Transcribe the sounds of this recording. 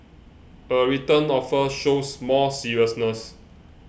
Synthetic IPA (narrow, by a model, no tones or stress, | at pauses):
əɹitə̃nɔfəʃosmɔsiɹiəsnəs